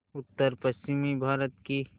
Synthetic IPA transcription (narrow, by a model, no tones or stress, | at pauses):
ʊt̪ːəɾpəst͡ʃɪmibʱaːɾət̪ki